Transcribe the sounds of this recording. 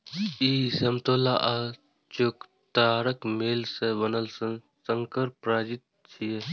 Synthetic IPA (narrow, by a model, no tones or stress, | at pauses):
isɐmt̪oːlaʔa | t͡ʃok | t̪aːɾəkmeːlsebənəls | səŋkəɾpɾaːd͡ʒit̪̚ | t͡ʃʰie